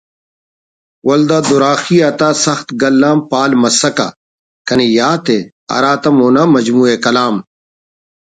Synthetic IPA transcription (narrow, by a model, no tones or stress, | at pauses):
wɐld̪aːd̪uɾaːxiːɐt̪aːsɐxt̪ɡɐlːaːmpaːlmɐsɐka̰ | kɐnijaːt̪e | ɐ̰ɾaːt̪ɐmoːnaːmɐd͡ʑmuːekɐlaːm